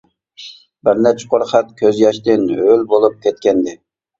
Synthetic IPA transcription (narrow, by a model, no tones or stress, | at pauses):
bɪɾnɛt͡ʃʰɪ̥qʰoɾχɛt̪̚kʲʰøzjɑʃt̪ɪnølbolˠup̚kʲʰɛt̪̚kʲɛnd̪ɪ